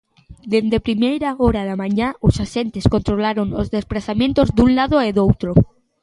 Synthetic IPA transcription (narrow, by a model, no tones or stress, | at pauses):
d̪e̞nd̪epɾimejɾaoɾaðamãɲaosaʃe̞nt̪e̞sko̞nt̪ɾolaɾo̞nozðe̞splaθamjent̪o̞zd̪unlaðoeðowt̪ɾo